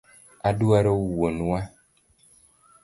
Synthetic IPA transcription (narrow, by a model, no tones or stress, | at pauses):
aduaɾouwonuwa